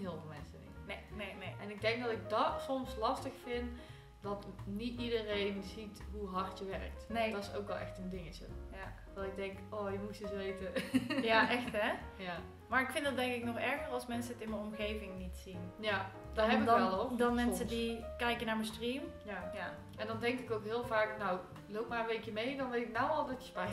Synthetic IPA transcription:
ɦɪlˠvəlˠmɛnsənḭtnenenejʔɛnɪɡ̚dɛŋk̚dɑtɪɡ̚dɑtsɔmslɑstəxfɪn | dɑtnitidərejnzitɦuɦɑrtjəʋɛɹə̰k̚tnedɔtɪso̰wkʋɛlˠɛ̰xtəndɪŋət͡ʃə̰ja | ʋɑnɪɡ̚dɛŋkoːjəmutisʋejtəjaʔɛxtɦɛja | maːɹɪkfɪndɑtdɛŋkɪknɔχɛɹɣəɹɑlˠsmɛnsəətɪnmənɔmɣejvɪŋnitsinja | dɦɛdlodɔnmɛnsədikɛjkənaːɹməstrimjaja | ɛndɑndɛŋkɪkowkɦɪːlˠvaːknaw | lowp̚maːɹənʋejkjəmejndɔnʋeɪknawɔlˠdɑtə̥spa

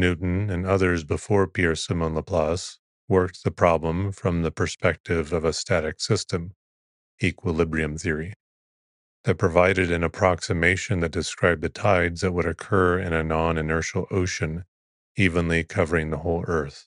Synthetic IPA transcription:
nʉʔn̩ɨ̃nʌðə˞zbəfɔɹpʰɪɹsɨmõnlˠəpʰl̥ɑs | wɜ˞k̚t̪̚ðɨpʰɹ̥ɑblə̃ɱfɹʌ̃mðɨpʰə˞spɛk̚tɪvʌvəstæɾɨksɪstɨ̃m | ikʰwəlɪbɹiɨ̃mθɪɹi | ðɨt̚pʰɹ̥ɨvaɪɾɨɾɨ̃nɨpʰɹ̥ɑksɨmeɪʃɨ̃nðɨt̚d̥ɨskɹaɪb̚ðɨtʰaɪdzðɨt̚wəɾɨkʰɜ˞ɪ̃ñɨnɑ̃nɨnɜ˞ʃl̩ˠoʊʃɨ̃n | ivə̃nlikʰʌvə˞ɪ̃ŋðəhoʊlˠɜ˞θ

